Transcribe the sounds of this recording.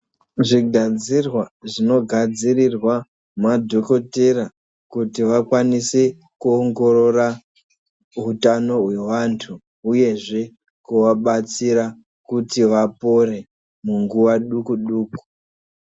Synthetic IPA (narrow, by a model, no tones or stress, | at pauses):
ʐiɡʱad͡zirwaʐino̞ɡʱad͡zirirwa | madʱo̞ko̞tera | kutiʋakwanise | kuoŋɡo̞ɾo̞ra | ɦutano̞ɦwe̞ʋantʰu | uje̞ʐe̞ | kuʋaɓat͡siɾa | kutiʋapo̞re̞ | muŋɡuʋaɗukuɗuːku̥